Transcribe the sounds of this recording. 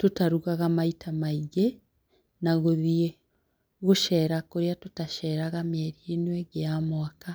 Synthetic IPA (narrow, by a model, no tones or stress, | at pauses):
totaɾuɣaɣamaitʰamaiɣe | naɣoðie | ɣoʃɛːɾakoɾeatotaʃɛːɾaɣamɛɾieniweɡeamwaka